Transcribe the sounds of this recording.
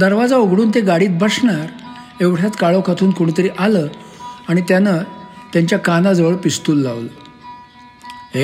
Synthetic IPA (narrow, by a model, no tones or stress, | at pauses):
d̪əɾʋad͡zaoɡɽuːnt̪eɡaɽiːt̪̚bʱəsɳaɾ | eʋʈʰjat̪kaɭokʰat̪ʰuːnkoɽ̃ət̪əɾiːʔaləːaɽ̃it̪janat̪jaɲt͡ɕjakanad͡zəʋəɭpist̪uːlːaʋlə | ɦe